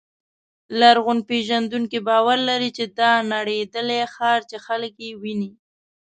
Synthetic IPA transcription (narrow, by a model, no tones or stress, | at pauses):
laɾɣʊnpeʒand̪uŋkibɑwaɾlaɾit͡ʃed̪ɑnaɽed̪əlexɑɾt͡ʃexalkjewini